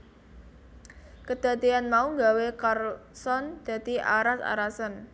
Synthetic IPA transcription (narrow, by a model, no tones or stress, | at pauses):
kəd̪̥ä̤t̪ianmauŋɡawekarsɔnd̪̥ä̤t̪iʔa̰ɾasa̰ɾasən